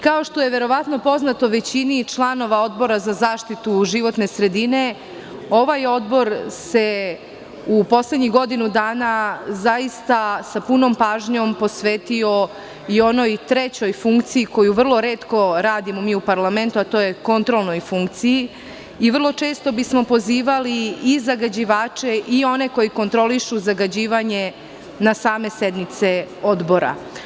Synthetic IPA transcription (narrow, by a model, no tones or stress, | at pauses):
kao̞ʃt̪o̞jeʋe̞ɾo̞ʋat̪no̞po̞znat̪oʋe̞t͡ɕinit͡ʃlˠano̞ʋao̞d̪bo̞ɾazazaːʃt̪it̪uʒiʋo̞t̪ne̞sɾe̞d̪ine̞ | o̞ʋajo̞d̪bo̞ɾse̞ | upo̞sle̞d̪ɲiɣɡo̞d̪inud̪aːnazajist̪asapuno̞mpaːʒɲo̞mpo̞sʋeːt̪io̞ | io̞no̞jt̪ɾet͡ɕo̞jfuŋkt̪sijiko̞juʋr̩lˠo̞ɾeːt̪ko̞ɾaːd̪imo̞miːupaɾlˠame̞nt̪uat̪o̞ːjeko̞nt̪ɾo̞lˠno̞jfuŋk̚t̪siji | iʋrlˠo̞t͡ʃe̞ːst̪o̞bismo̞po̞ziːʋaliizaɡad͡ʑiʋaːt͡ʃeʔio̞ne̞ko̞jiko̞nt̪ɾo̞liʃuzaɡad͡ʑiːʋaɲe | nasaːme̞sed̪nit̪seo̞d̪bo̞ɾa̰